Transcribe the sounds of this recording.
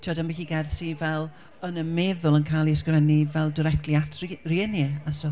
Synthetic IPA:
tʰiɔdanbixiɡɛrθivɛlˠ | ənəmɛðʊlˠənkʰajlˠiəskrɛnivɛlˠdɪɾɛk̚tʰliatʰrriənɛasɔ

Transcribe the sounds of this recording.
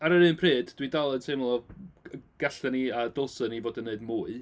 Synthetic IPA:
aɾəɾɨːnpʰreːdd̥widalˠətʰeɨmlˠɔ | ɡ̥aɬəniadɔlˠsənivoːdənːeɨdmuːɨ

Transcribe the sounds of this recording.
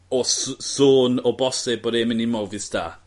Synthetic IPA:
ɔsoːnɔbɔsɪb̚boːdeːmənɪmɔvɪsd̥ʰa̰ː

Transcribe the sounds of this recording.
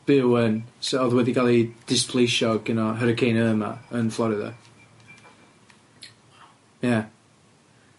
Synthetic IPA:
v̥ɪwənsɔðwɛðiɡalˠid̥ɪspʰlˠejʃɔɡɪnɔɦəɾəkʰejnəːma̰ənflˠɔɾɪða̰ | ja

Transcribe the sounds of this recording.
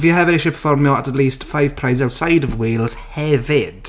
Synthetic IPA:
ɪfjəɦəvɛnɪʃɪpʰə̥fɔɹmɔətətˡliːˑstfaɪv̥pʰɹ̥aɪzaʊtsaɪdəvwiːlˠz̥hɛvɪd̥

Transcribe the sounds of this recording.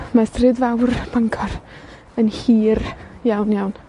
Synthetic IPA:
mastrɨdvawrb̥aŋkʰɔr | ənhiːrjawnjawn

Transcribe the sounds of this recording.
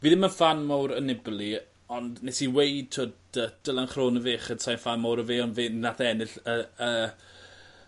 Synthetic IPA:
viːðɪmənfanmawɾənɪblˠi | ɔndnɛsiwejd̚tʰodəd̥əlˠanχroːnəveːχəd̥sajnfanmawɾəveːɔnvɪnːaθɛnɪɬəəː

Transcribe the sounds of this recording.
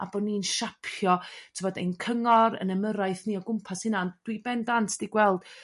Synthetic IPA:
a̰bɔdnːiːnʃapʰjɔttʰəvɔdḛjnkʰəŋɔɾə̰nəməɾaɨθniːɔɡʊmpʰashɪnand̥wibɛndantʰd̥iɡwɛlˠd̥

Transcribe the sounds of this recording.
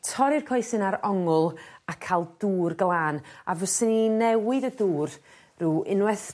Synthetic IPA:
tʰɔɾɪrkʰɔjsɨnaɾɔŋʊlˠakʰalˠduːrɡlˠaːnavəsəninɛwɨðəduːr | ruːɪnwɛθ

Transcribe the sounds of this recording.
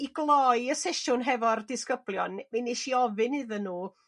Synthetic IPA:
iɡlˠɔɨəsɛʃʊnɦɛvɔrdɪskəblˠjɔnminiʃiɔvɨnɨðənːuː

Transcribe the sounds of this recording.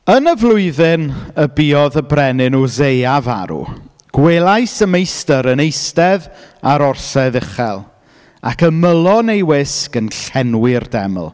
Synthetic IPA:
ənəvlˠʊɨðɪnəbiːɔðəbrɛnɪnɔzejava̰ɾṵ | ɡ̥welˠajsəmejstəɾənejstɛðaɾɔrsɛðɪχɛ̰lˠ | a̰kəməlˠɔnejwɪskənɬɛnwɪrdɛm̰lˠ

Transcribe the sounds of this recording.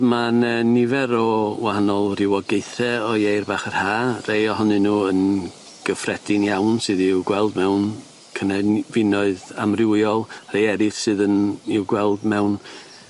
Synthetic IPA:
manənɪvɛɾɔwahanɔlˠrɪwɔɡejθɛɔjejrbaːχar̥haːrejɔhɔnɨnuːən | ɡ̥əfrɛdɪnjawnsɨðɪwɡwɛlˠdmɛwn | kʰənɛvɪnɔɨðamrɪwjɔlˠr̥ejɛɾɨθsɨːðənɪwɡwɛlˠdmɛwn

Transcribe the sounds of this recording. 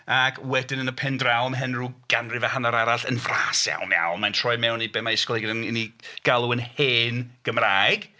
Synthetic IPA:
akʰwɛdɪnənəpʰɛndrawmɦɛnruɡ̥anrɨvahanaɾaɾaɬənvraːsja̰wmja̰wnmantʰrɔjmɛwnibemaɪskɔlˠeɡənəniɡ̥alˠuənheːnɡ̥əmraːɡ̥

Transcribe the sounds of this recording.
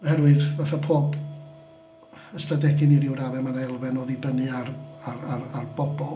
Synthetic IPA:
hɛɾwɨðvaθapʰoːb | əstadɛɡɨniɾɪwɾaðɛmanaɛlˠvɛnoːðibənɨararararbɔbɔ

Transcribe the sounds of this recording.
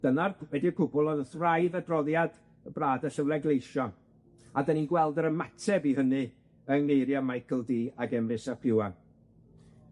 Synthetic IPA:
d̥ənarwɛdiəkʰʊbʊlˠɔdəθrajðədrɔðjad | əbraːdəɬəvlˠɛɡlˠejʃɔn | adəninɡwɛlˠdəɾəmatʰɛbihənɨ | əŋnejɾjamajkʰəlˠdiːaɡɛmrɪsapʰɪwan

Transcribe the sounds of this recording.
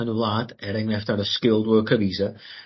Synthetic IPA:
ənulˠaːtɛɾɛŋnɛftaɾəskɪlˠdwəkʰəðiːzə

